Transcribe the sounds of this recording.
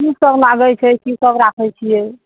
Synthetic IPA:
kisəblaɡɛt͡ʃʰɛkisəbɾakʰɛt͡ʃʰijɛ

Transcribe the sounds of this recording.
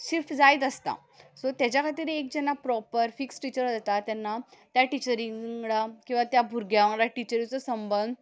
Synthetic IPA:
ɕiɾfd͡zajt̪əst̪a̰ | sɔt̪jat͡ɕjakʰat̪̬iːɾek̚d͡ʑɛnːapɾɔpəɾfiksʈit͡ɕəɾd͡zat̪at̪janːat̪jaʈit͡ɕəɾĩŋɡɽakĩw̃ʋat̪jabʱuɾɡjaʋãŋɡɽaʈit͡ɕəɾĩt͡sɔsəmbən

